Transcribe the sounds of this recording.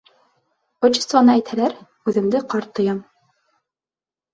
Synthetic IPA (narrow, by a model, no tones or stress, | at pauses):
ŏt͡ɕɪ̥st̪vɑnɤæjt̪hælæɾ | ʉðɘ̆md̪ɘqɑɾt̪ːŏjɑm